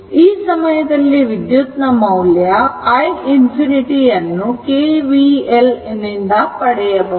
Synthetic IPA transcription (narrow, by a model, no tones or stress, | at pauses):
iːsɐmɐjɐd̪ɐlːiʋid̪jut̪nɐmɐwljɐːjinpʰiniʈijɐnːukeːʋielenind̪ɐpɐɽɛjɐbu